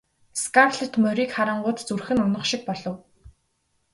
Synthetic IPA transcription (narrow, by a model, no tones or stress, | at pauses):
skarɮɘ̆t̪mœɾiːkχaɾə̆ɴɢʊːt̪t͡surxɘ̆nʊnə̆χʃɪk̚pɔɮɞ̆w